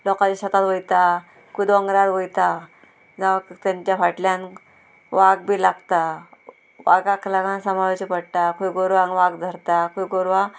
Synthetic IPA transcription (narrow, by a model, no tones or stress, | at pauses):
lɔkat͡ɕiɕət̪at̪ʋojt̪a | kud̪ɔŋɡɾaɾʋojt̪a | d͡zaʋkt̪jãɲt͡ɕjafaʈljan | ʋaɡ̚bʱiːlaɡt̪a | ʋaɡaklaɡãnsəmaʋet͡ɕipəɽt̪akujɡoɾʋaŋʋaɡd̪ʱəɾt̪akujɡoɾʋa